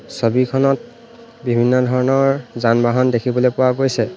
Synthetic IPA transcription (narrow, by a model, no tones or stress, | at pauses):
sobikʰɔnɔt̚ | bibʱinːɔdʱɔɹɔnɔɹzanbaɦɔndekʰibɔlojpʊwaɡojsɛ